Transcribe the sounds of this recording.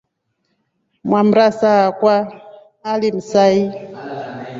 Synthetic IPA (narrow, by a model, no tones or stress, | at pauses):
mwam̩ɾasaːkwaː | lim̩sai